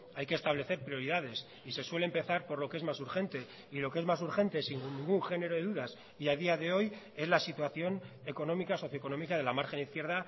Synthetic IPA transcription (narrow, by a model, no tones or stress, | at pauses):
ajkest̪aβ̞le̞θe̞ɾpɾio̞ɾiðað̞e̞s | ise̞swe̞leːmpe̞θaɾpo̞ɾlo̞kee̞zmasuɾxe̞nt̪e̞ | ilo̞kee̞zmas̬uɾxe̞nt̪esiŋnĩŋɡuŋxe̞ne̞ɾo̞ðe̞ðuðas | iað̞iaðe̞o̞j | e̞zlasit̪waθjo̞n | e̞ko̞no̞mikaso̞θjoko̞no̞mikað̞e̞lamaɾxe̞niθkje̞ɾð̞a